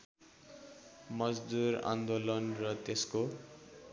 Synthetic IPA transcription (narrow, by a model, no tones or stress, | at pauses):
mʌd͡zd̪uɾã̰nd̪olʌnrʌt̪esko